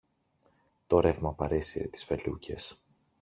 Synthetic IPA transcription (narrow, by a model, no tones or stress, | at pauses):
t̪oɾe̞vmɐpɐɾe̞siet̪i̥sfe̞lṵce̞s